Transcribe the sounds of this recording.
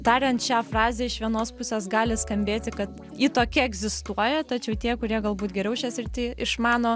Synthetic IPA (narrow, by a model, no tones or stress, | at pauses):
t̪ɑːɾʲɛnt̪ʃʲæːfrɑːzʲeːɪʃʋʲiɛnoːspʊsʲeːsɡɑːlʲɪskɐmʲbʲeːt̪ʲɪkɐt̪ | iːt̪oːkʲɪɛɡzʲɪst̪uɔjɛt̪ɐt͡ʃʲɛʊt̪ʲiɛkʊɾʲiɛɡɐlˠbuːt̪ɡʲɛɾʲɛʊʃʲɛsʲɪrʲt̪ʲɪɪʃmɑːnoː